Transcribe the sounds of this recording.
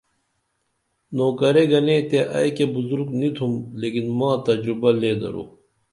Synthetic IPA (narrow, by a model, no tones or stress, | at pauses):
noːkɐɾeɡɐnẽːt̪eʔɐ̰jkebuzuɾɡnit̪ʰumleːkinmãːt̪ɐd͡ʑɾubɐleːd̪ɐ̰ɾo̰ː